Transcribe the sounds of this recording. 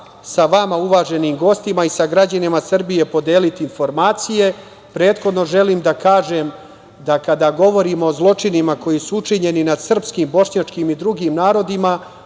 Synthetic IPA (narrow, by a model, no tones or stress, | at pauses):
saʋamauʋaːʒe̞niːmɡo̞st̪imaisaɡɾad͡ʑanimasr̩bije̞po̞d̪eːlit̪iinfo̞ɾmaːt̪sije̞ | pɾe̞ːt̪xo̞d̪no̞ʒe̞liːmd̪akaːʒem | d̪akad̪aːɡo̞ʋo̞ɾimoːzlˠo̞t͡ʂinimako̞jisuut͡ʂiɲe̞ninad̪sr̩pskiːmbo̞ʂɲat͡ʂkimid̪ɾuɡiːmnaːɾo̞d̪ima